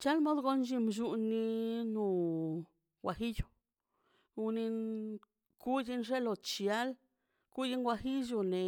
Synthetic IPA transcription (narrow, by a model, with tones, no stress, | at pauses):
t͡ʃa˦lmo˦d̪ɡo˦nd͡ʒi˧mʃ̬u˧nːi˧nu˧ | ɡʷwa˨xi˦ju˨ | u˧ni˧n | ku˦ji˧nʐe˦lo˨t͡ʃi˧˨a˦l | ku˦ji˦nɡwa˧xi˦d͡ʒ̬u˧ne˨